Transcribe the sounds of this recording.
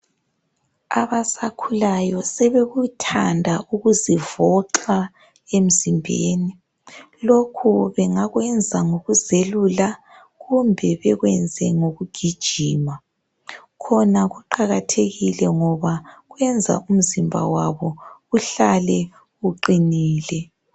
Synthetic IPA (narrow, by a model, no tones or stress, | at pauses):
aβasakʰulajɔsɛβeɣutʰandʱaʔuɣuzivɔǃa | em̩zimbʱeːni | lokʰuβɛŋaɣwɛnd͡zʱaŋoɣuzelula | ɣumbʱɛβɛɣwɛnd͡zʱɛŋoɣuɡ̥ʱid̥ʒ̥ʱiːma | kʰɔnaɣuǃaɣatʰeɣilɛŋɔβaɣwɛnd͡zʱa̰ʔum̩zimbʱa̰waβɔuɬalɛ | uǃiniːlɛ